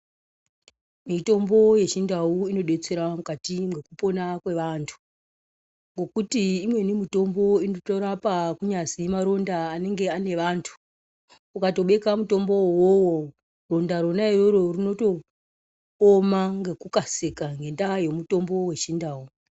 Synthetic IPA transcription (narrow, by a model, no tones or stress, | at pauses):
mito̞mbo̞je̞t͡ʃindauino̞ɗe̞t͡se̞ɾamukatimɡe̞kupo̞nakwe̞ʋantʰu̥ | ŋɡo̞kutiːmwe̞nimito̞mbo̞inotoɾapakuɲasimaɾo̞ndaːne̞ŋɡe̞ane̞ʋantʰu̥ | ukato̞ɓe̞kamuto̞mbo̞wowo | ro̞ndaɾo̞nairoɾo̞rino̞to̞ | omaŋɡe̞kukasekaŋɡe̞ndajo̞muto̞mbo̞we̞t͡ʃindaːu